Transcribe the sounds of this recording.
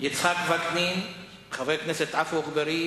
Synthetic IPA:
jit͡sχakvaknin | χavejknɛset̪afuχbeɾi

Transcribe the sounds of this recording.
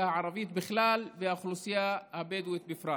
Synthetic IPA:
haʕɑɾˤɑvijːt̪bɪxlaːlvɪhaxlusˤɪjahabeːd̪wet̪̚bɪfɾˤɑː

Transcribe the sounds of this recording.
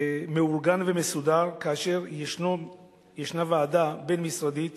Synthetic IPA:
me̞uʁɡanvemesudaʁkaːʃe̞ʁ | jeʃnavaːd̪abe̞nmisʁad̪it̪

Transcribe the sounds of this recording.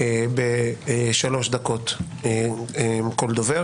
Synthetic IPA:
ebeʃalo̞ʃd̪ako̞t̪ | mkold̪ove

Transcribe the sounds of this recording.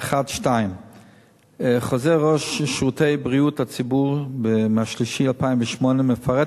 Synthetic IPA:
aχadʃtajim | χozɛʁɔʃːʁutejbʁiuthat͡sibuʁbemaʃliʃialpaimvɛʃmɔneməfaʁɛ

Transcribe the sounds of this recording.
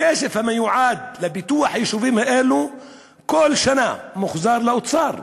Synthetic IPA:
eːʃɪfhamːajʊʕaːd̪lɪbɪt̪uːaħjɪʃuviːmhɪʔeːlu | kʊlːʃanamʊxzɑːɾˤlaʔʊt̪sɑːɾˤ

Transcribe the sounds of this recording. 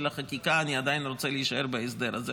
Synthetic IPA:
laχakikaːniad̪ajinʁo̞t͡seliiʃaeʁbees̬d̪eɾaze

